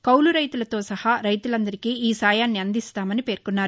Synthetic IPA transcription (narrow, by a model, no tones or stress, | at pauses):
kɐwluɾɐjt̪ulɐt̪o̞ːsɐhaɾɐjt̪ulɐnd̪ɐɾikiːiːsaːjaːnːiɐnd̪ist̪aːmɐnipe̞ːɾkunːaːɾu